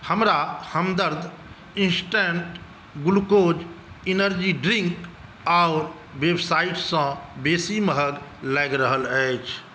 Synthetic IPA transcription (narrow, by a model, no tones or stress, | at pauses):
həmɾahəmd̪əɾd̪ʱ | ĩnsʈẽɳʈ | ɡʊlkod͡ʒinəɾd͡ʒiɖɾiŋk | aʊɾ | ʋebsaiʈsə̃besiməɦəɡlɛɪɡɾəɦələɪt͡ʃʰ